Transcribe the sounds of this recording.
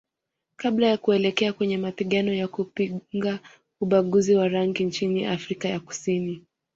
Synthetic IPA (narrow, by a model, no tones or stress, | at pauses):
kaɓlajakuɛlɛkɛakwɛɲɛmapiɠanɔjakupiŋɡa | uɓaɠuziwaɾaŋɡint͡ʃiniʔafɾikajaku̥sini